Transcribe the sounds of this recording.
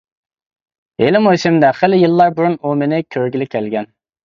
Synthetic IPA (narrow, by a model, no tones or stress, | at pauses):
elɪmojsɪmd̪ɛχelɪjɨlˠːɑɾbuɾunumenɪkʲʰøɾɡʲilɪkʲʰɛlɡʲɛn